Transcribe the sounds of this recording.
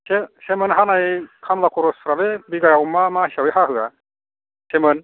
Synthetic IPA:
sesemənɦanajkʰamlakʰɔɾɔsɾalɛbiɡajawmamaɦisawɯjɦaɦɯa̰ | sɛmɯn

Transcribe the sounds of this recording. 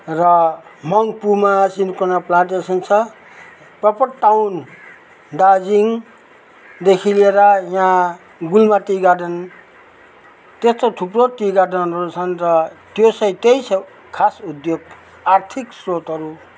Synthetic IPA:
rʌmʌŋpumasinkonaplãʈesʌnt͡sʰʌ | prʌpʌʈʈawn | ɖad͡ziŋ | d̪ekʰileɾʌjã | ɡulmat̪iɡaɖʌn | t̪est̪oʈʰuprot̪iɡaɖʌnʌɾut͡sʰʌnrʌt̪josʌj̃t̪ejsʰʌ | kʰasud̪joɡ | art̪ʰiksrot̪ɦʌɾu

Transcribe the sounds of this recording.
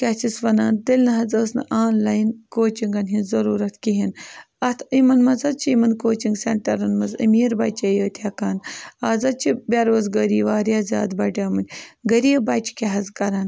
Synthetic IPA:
kʲɐt͡ʃisʋɐnaːnt̪ilnɐɦɐzəːsnɐ̰ʔaːnlajnkoːt͡ʃiŋɡɐnɦinzɐɾuːɾɐt̪kiɦin | ɐt̪ʰimɐnmɐzɐt͡ʃʰiimɐnkoːt͡ʃiŋɡseɳʈɐɾɐnmɐzə̰miːɾbat͡ʃejəːt̪ʰakaːnaːzɐt͡ʃʰibʲaɾʋɐzɡəɾiːʋaːɾjaːza̰ːd̪bɐʈʲaːmɐnʲɡɐɾiːbaːt͡ʃi̥kʲeɦɐzkɐɾaːn

